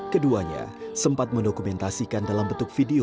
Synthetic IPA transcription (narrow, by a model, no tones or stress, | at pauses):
kəduaɲa̰səmpat̪̚məndokumɛnt̪asikandalambət̪ʊk̚fideo